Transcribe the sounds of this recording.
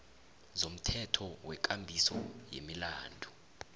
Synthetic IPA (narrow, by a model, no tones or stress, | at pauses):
zom̩tʰɛtʰɔwɛk̬ʼambʱisɔ̰jḛmilaːndʱu